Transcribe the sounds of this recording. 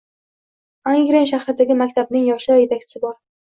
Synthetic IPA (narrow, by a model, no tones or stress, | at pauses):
aŋɡʲɾenʃ̬aχɾɪd̪aɡʲɪmakʲt̪ʰabnɪŋjɒʃlɒɾje̞t̪ʰak̚ʲt͡ʃʰɪ̥sɪbɒɾ